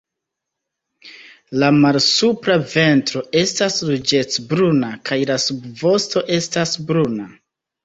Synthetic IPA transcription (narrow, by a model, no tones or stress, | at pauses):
lamalsupɾave̞ntɾo̞ʔe̞staslud͡ʒe̞t͡sbɾunakʰajlasubvo̞sto̞ʔe̞stasbɾuna